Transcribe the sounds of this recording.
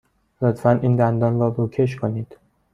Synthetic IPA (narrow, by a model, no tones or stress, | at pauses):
lot̪ʰfæniːnd̪ænd̪ɒːnrɒːɾocʰeʃ̬kʰoniːd̪̥